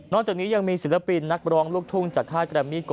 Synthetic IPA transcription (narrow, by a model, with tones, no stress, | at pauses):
nɔː˥˩kt͡ɕaː˨˩kniː˦˥ja˧ŋmiː˧si˨˩˦la˧pi˧nːa˦˥k̚ɾɔː˦˥ŋlu˥˩ək̚t̪ʰu˥˩ŋt͡ɕaː˨˩kʰaː˥˩t̪̚kɾɛː˧˩mi˦˥˩k